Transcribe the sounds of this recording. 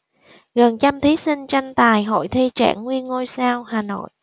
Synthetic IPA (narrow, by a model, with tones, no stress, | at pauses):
ɣə˨˩nt͡ɕa˧mt̪ʰi˨˦sï˧ŋ̟t͡ɕa˧jŋ̟t̪aː˨˩jɦo̰˧˨jt̪ʰi˧t͡ɕa̰ː˧˩ŋːwi˧ənŋo˧jsaː˧whaː˨˩no̰˧˨j